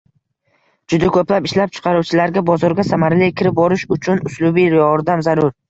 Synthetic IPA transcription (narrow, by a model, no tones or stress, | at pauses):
d͡ʒʊd̪akʰɵplapɪʃlap̚t͡ʃʰɨ̥qʰɑɾuwt͡ʃʰɪlaɾɡʲabɒzɒɾɡʲasamaɾlɪkʲʰɪɾɪp̚bɒɾɪʃʊt͡ʃʰʊnʊslʊbijɒɾd̪amzaɾʊɾ